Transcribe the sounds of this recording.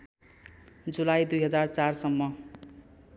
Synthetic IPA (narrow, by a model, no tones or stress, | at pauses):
d͡zulajd̪ujɦʌd͡zart͡sarsʌmːʌ